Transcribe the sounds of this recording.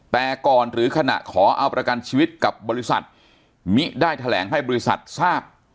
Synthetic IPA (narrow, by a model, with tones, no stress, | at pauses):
t̪ɛː˨˩kɔː˨˩nɾɯː˩˦kʰa˧na̰˨˩ʔkʰɔː˩˦ʔa˧wpɾa˧ka˧nt͡ɕʰiː˧wi˦˥t̪̚ka˨˩p̚bɔː˧ɾi˦˥sa̰˨˩t̪̚ | mi˦˥daː˥˩jt̪ʰa˧lɛː˩˦ŋɦa˥˩jbɔː˧i˦˥sa̰˨˩t̪̚saː˥˩p̚